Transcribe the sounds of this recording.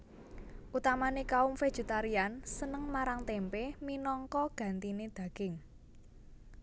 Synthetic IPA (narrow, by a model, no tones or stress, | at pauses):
ʔut̪amanekaʊmfed̥ʒ̥e̤t̪aɾiansənəŋmaɾaŋt̪empeminɔŋkɔɡ̥ä̤nt̪ined̪̥ä̤ɡ̥ɪŋ